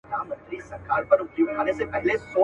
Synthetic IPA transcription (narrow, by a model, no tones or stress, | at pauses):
d̪aːmə̃nt̪ɾisɐɾkaːɾpɐɾʊkjuːkʰaːnesepɛɦɪlesoː